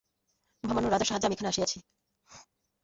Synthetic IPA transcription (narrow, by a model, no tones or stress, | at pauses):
bʱamanoɾad̪d͡ʑaɾʃaɦad͡ʑamiekʰaneaʃiat͡ɕʰi